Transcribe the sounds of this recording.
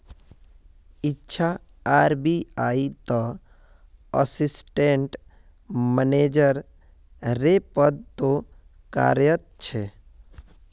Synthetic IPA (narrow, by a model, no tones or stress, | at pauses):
ɪtːʃʰa | aːɾbiaːit̪ɔ | ə̰sɪsʈẽɳʈ | məneːd͡ʒəɾ | ɾepəd̪̚t̪o | ka̰ːɾjət̪̚t͡ʃʰe